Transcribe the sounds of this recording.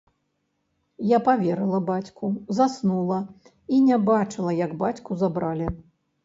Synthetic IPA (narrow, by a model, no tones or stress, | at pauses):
japavʲɛɾɨlˠɐbat͡sʲkuzasnulˠɐ | inʲɛbat͡ʂɨlˠɐjɐɡbat͡sʲkuzabɾalʲi